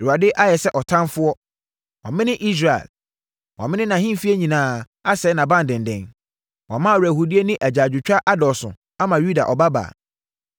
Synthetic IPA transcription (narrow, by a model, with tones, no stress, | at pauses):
ɛ˨a˨dɪ˦ʔa˦jɛ˨sɛ˦ʔɔ˨tʰã˦nfʊ˦ɔ˦ | wã˨mɪ̃˦nɪ̃˦ʔi˦s̬ɾa˨ḛ˨l | wã̰˨mɪ̃˦nɪ̃˦nã˨hɪ̃˦˨fi˦e˦ɲĩ˨nãː˨˦ | a˦sɛ˨˦nã˨bã˦n˨dɪ̃˨n˨dɛ̰̃˨n | wã˨mã˦˨ɾæ˨hu˨di˦e˦nɪ̃˦ʔæ˨d͡ʑaː˨d͡ʑᶣʊ˨t͡ɕᶣa˦ʔa˦dɔ˨sʊ̰̃˨ | a˦mã˨ju˦da̰˨ʔɔ˨ba˦ba̰ː˨